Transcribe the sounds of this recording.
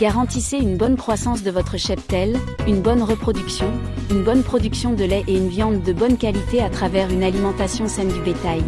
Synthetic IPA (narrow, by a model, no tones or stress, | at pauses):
ɡ̥aʁɑ̃t̪iseynbɔnkχwasɑ̃sd̪əvɔt̪χəʃɛp̚t̪ɛl | ynbɔnʁəpχɔd̪yksjɔ̃ | ynbɔnpχɔd̪yksjɔ̃d̪əlɛʔeynvjɑ̃d̪ːəbɔnkʲalit̪eat̪χavɛʁynalimɑ̃t̪asjɔ̃sɛnd̪ybet̪aj